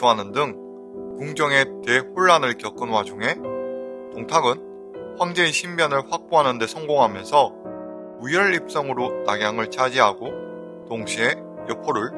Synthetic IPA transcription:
uɦanɯndɯŋ | kuŋd͡ʑʌŋe̞te̞ɸuɭːanɯɭkjʌk͈ɯnwad͡ʑuŋɦe̞ | toŋtʰaɡɯn | ɸwaŋd͡ʑe̞iɕʰimːjʌnɯɭɸwak̚p͈oɦanɯnde̞sʰʌŋɡoŋɦamjʌnsʰʌ | ujʌɭːip̚s͈ʌŋɯɾotaɡjaŋɯɭt͡ɕʰad͡ʑiɦaɡo | toŋɕʰie̞ | jʌpʰʌɾɯɭ

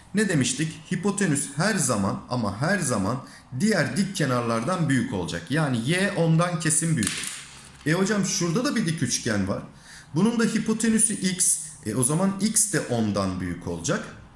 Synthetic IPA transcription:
ned̪e̞miʃt̪ʰichipo̞t̪ʰe̞nyshæɾzama̰na̰maɦæɾzaman | d̪ijæɾd̪icʰːe̞naɾlˠaɾd̪anbyjycʰo̞lˠd͡ʒa̰kjaːnijɛːʔo̞nd̪ancʰe̞sinbyjyy | ɛho̞d͡ʒamʃuɾd̪ad̪abid̪icʰyt͡ʃcʰænva̰ɾ̥ | bunund̪aɦipʰo̞t̪ʰe̞nysyʔics | ɛo̞zamanicsd̪ɛʔo̞nd̪anby̰jycʰo̞̰lˠd͡ʒak

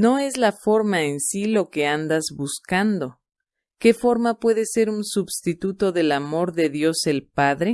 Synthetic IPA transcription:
no̞e̞zlafo̞ɾmaensilo̞ke̞and̪azβuskand̪o̞ | ke̞fo̞ɾmapwe̞ðe̞se̞ɾunsubst̪it̪ut̪o̞ðe̞lamo̞ɾðe̞ðjo̞se̞lpaðɾe̞

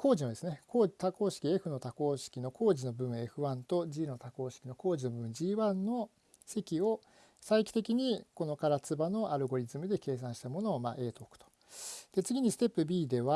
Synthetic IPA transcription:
kʰo̞ːʑinod̪esɨneko̞ːt̪ako̞ːɕi̥kʲieɸɯ̟no̞t̪ako̞ːɕi̥kʲino̞kʰo̞ːʑino̞bɯ̟̃e̞ɸɯ̟βãnt̪o̞d͡ʑiːno̞t̪ako̞ːɕi̥kʲino̞ko̞ːd͡ʑino̞bɯ̟̃ɰd͡ʑiːβãnːo̞ | se̞kʲio̞ | saikʲi̥t̪e̞kʲiɲ̟iko̞no̞kaɾat͡sɨbano̞ʔaɾɯ̟ɡo̞ɾʲizɨmɯ̟d̪e̞ke̞ːs̬ãɕi̥t̪amo̞no̞ːma̰ʔe̞ːt̪o̞ːkɯ̥t̪o̥ | d̪̥e̞t͡sɨɡʲiɲ̟isɨ̥t̪e̞pːɯ̟bʲiːd̪e̞βa

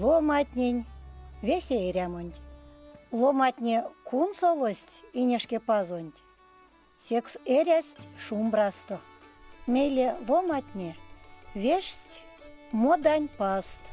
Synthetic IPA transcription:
lˠomɑt̪ʲnʲenʲvʲesʲeeɾʲæmə̆nʲtʲ | lˠomɑt̪ʲnʲekʰunsolˠosʲt̪ʲinʲeʂkʲepɑzonʲtʲ | sʲekseɾʲæsʲtʲʂumbrɑst̪omʲejlʲelˠomɑtʲnʲeβʲeʂtʲ | mod̪ɑnʲpɑst̪

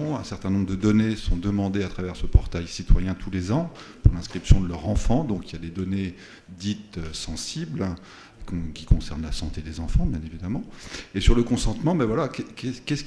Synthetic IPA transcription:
ɛ̃sɛʁt̪ɛ̃nɔ̃bʁd̪əd̪ɔnesɔ̃d̪əmɑ̃d̪eat̪χavɛʁsəpɔʁt̪ajsit̪wajɛ̃t̪ʰulezɑ̃puʁlɛ̃skχipsjɔ̃d̪əlœʁɑ̃fɑ̃d̪ɔ̃kiljad̪ed̪ɔne | d̪it̪øsɑ̃sibl | kʲi̥kɔ̃sɛʁnlasɑ̃t̪ed̪ezɑ̃fɑ̃bjɛ̃nevid̪amɑ̃esyʁləkɔ̃sɑ̃t̪mɑ̃bɛvwalakɛkɛskʲɛs

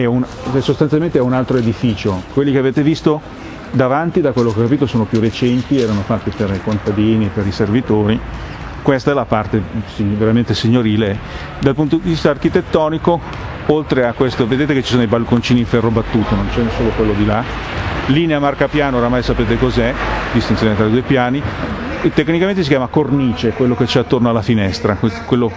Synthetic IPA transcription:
ɛun | ɛsost̪anjalment̪eɛunalt̪ɾoed̪ifiːt͡ʃokwelːikeaveːt̪evist̪o | d̪avant̪id̪akwelːokeɔkːapiːt̪osoːnopjuret͡ʃɛnt̪iɛːɾanofat̪ːiperikont̪ad̪iːniepeɾiservit̪oːɾi | kwest̪aɛlapart̪esiveɾament̪esiɲːoɾiːle | d̪alpunt̪od̪ivist̪aːrk̟it̪et̪ːɔːniko | olt̪ɾeakːwest̪oved̪eːt̪eket͡ʃːisoːnojbalkont͡ʃiːniɱfɛrːobat̪ːuːt̪onont͡ʃɛnesːoːlokwelːod̪ila | liːneamarkapjaːnooɾamajsapeːt̪ekozɛd̪ist̪injoːnet̪ɾaid̪uːjpjaːni | t̪ekːnikament̪esikjaːmakorniːt͡ʃekwelːoket͡ʃːɛat̪ːornoalːafinɛst̪ɾakekwelːo

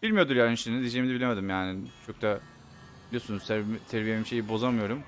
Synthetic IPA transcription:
bilʲmijod̪uɾjaːnʃinid̪id͡ʒejmid̪ɛbilʲemed̪imjaːnɪt͡ʃʰo̞k̚t̪ʰa | bilʲijosunuzt̪t̪ʰeɾvijemimʃe̞jibo̞zamɯjo̞ɾum

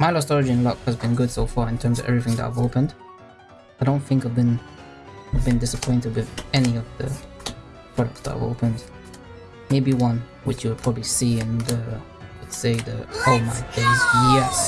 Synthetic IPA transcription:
maɪlɔstɹɑləd͡ʒiɨ̃nlɔkhəzbɨ̃nɡʊd̥soʊfɑɹɨ̃ntʰɜ̃˞mzʌ̰vɛ̰vɹiθɪ̃ŋðə̰ʔa̰ɪvoʊpə̃nd̥ | aɪɾõʊ̃nθɪ̃ŋkaɪvbɨ̃n | aɪvbɨ̃ndɪsəpʰɔ̃ɪ̃ntɨd̚wɨðɛniʌvðɨ̰ | pʰɹ̥ɑɾək̚tsðəɾa̰ɪ̰vo̰ʊpə̃nd̥ | meɪbiwʌ̃n | wɨt͡ʃjɨwəd̚pʰɹ̥ɑbəblisiɪ̃nðɨ | lɛtseɪðɨhoʊlˠmaɪdeɪzjɛs

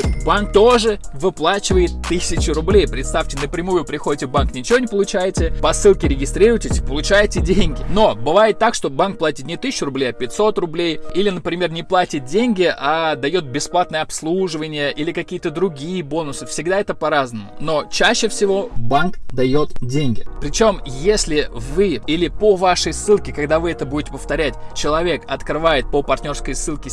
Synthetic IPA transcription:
bank̚t̪o̞ʐɨvɨplˠat͡ɕɪvəjɪt̪ːɨsʲɪt͡ɕɪrʊblʲejpɾʲɪt̪st̪aftʲɪnəpɾʲɪmujʊpɾʲɪxodʲɪtʲɪbanknʲɪt͡ɕɪvo̞nʲɪpəlˠʊt͡ɕæjɪtʲɪpɐsɨlˠkʲɪɾʲɪɡʲɪst̪ɾʲiɾʊjtʲɪsʲpəlˠʊt͡ɕæjɪtʲɪdʲenʲɡʲɪno̞bɨvajɪt̪ːakʂt̪o̞bank̚plˠatʲɪt̪nʲɪt̪ɨsʲt͡ɕːʊɾʊblʲejɐpʲɪt̪ʲso̞t̪rʊblʲejilʲɪnəpɾʲɪmʲe̞rnʲɪplˠatʲɪt̪̚dʲenʲɡʲɪʔad̪ɐjo̞t̪̚bʲɪsplˠat̪nɨjəɐpslˠuʐɨvənʲɪjəʔilʲɪkɐkʲijət̪əd̪ɾʊɡʲijəbo̞nʊsɨfsʲɪɡd̪aɛt̪əpɐɾaznəmʊ̰no̞t͡ɕæɕːɪfsʲɪvo̞bankd̪ɐjo̞t̪dʲenʲɡʲɪpɾʲɪt͡ɕo̞mjesʲlʲɪvɨilʲɪpovaʂəjsːɨlˠkʲɪkɐɡd̪avɨɛt̪əbudʲɪtʲɪpəft̪ɐɾʲætʲt͡ɕɪlˠɐvʲe̞kɐt̪kɾɨvajɪt̪̚pəpɐrtʲnʲo̞rskəjsːɨlˠkʲɪ

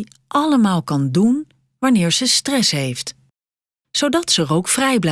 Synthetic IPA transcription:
ʔɑləmaːlˠkɑndun | ʋanɪːɹz̥əstrɛsɦejft | sowdɑtsəːrowkfrɛjbl

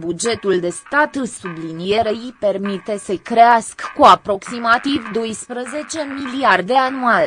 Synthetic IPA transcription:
bud͡ʒe̞t̪uld̪e̞st̪at̪ɨsublinije̞ɾeipe̞rmit̪e̞səkɾeaskːuapɾo̞ksimat̪ivd̪o̞jspɾəze̞t͡ʃe̞miliard̪e̞anual

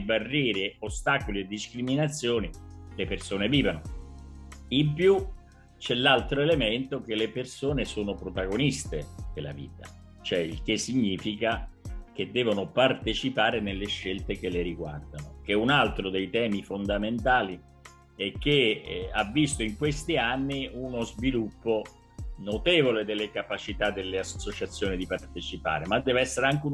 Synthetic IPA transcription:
barːɛːɾiost̪aːkolied̪ːiskɾiminat̪sːjoːnilepersoːneviːvano | impju | t͡ʃɛlalt̪ɾoelement̪ok̟elːepersoːnesoːnopɾot̪aɡonist̪ed̪̥ela̰vḭːt̪a | t͡ʃoɛilk̟esːiɲːiːfikak̟ed̪ːɛːvonopart̪et͡ʃipaːɾenelːeʃːelt̪ekelːeɾiɡward̪anok̟eunalt̪ɾod̪ejt̪ɛːmifond̪ament̪aːli | ɛk̟ːeavːist̪oiŋkwest̪ianːiunozvilupːo | not̪eːvoled̪elːekapat͡ʃit̪ad̪ːelːeassːot͡ʃat̪sːjoːnid̪ipart̪et͡ʃipa̰ːɾemad̪ːɛːveɛsːeɾeaŋk̟u

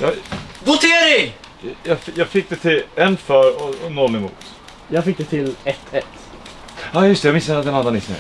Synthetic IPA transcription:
jɑːvʊt̪ʰeːɾɪŋjɑjɑːɡfɪk̚ːd̪ɛt̪ʰɪlɛnfœɾɔɔnɔlːɪmṵːt̪ | jɑːɡfɪk̚d̪ɛt̪ʰɪlɛt̪ʰːɛt̪ː | ɑːjɵst̪ɛjamɪsːəɾad̪ɛnananɪsnɛ̰

